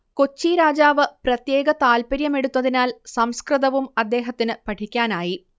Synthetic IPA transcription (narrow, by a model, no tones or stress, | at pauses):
kot͡ɕːiɾaːd͡ʑaːʋɨprɐt̪je̞ːɡɐt̪aːlpɐɾjɐme̞ɽut̪ːɐðinaːlsɐmskrɨðɐʋumɐd̪ːe̞ːɦɐt̪ːinɨpɐʈʰikʲːaːnaːji